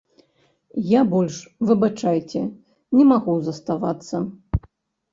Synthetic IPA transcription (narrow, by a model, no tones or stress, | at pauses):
jabɔlʲʂvɨbat͡ʂajt͡sʲɛ | nʲɛmaɣuzɐst̪avat̪sːɐ